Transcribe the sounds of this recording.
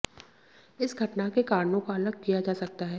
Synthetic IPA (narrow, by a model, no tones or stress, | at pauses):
ɪsɡʱɐʈnakekaːɾnõkaɐləɡ̚kijad͡ʒaːsɐk̚t̪aɦɛː